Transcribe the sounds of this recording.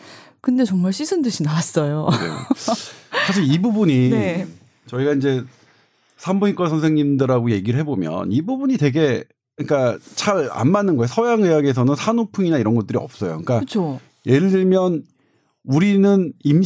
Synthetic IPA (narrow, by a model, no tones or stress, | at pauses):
kɯnde̞t͡ɕʌŋmaɭɕʰisʰɯndɯɕinawas͈ʌjonḛ | sʰaɕ̬ʰiɭibubuɲi | t͡ɕʌiɡaind͡ʑe̞ | sʰambuik͈wasʰʌnsʰeŋɲimdɯɾaɡoje̞ɡiɾɯɭɦe̞bomjʌ̰nibubuɲite̞ɡe̞ | ik͈at͡ɕaɾa̰nmanɯnɡʌeosʰʌjaŋɯjaɡies̬ʰʌnɯnsʰanopʰuŋinaiɾʌnɡʌt͈ɯɾiʌp̚s͈ʌjo̰kk͈aɯt͡ɕʰo | je̞ɾɯɭdɯɭmjʌn | uɾinɯnim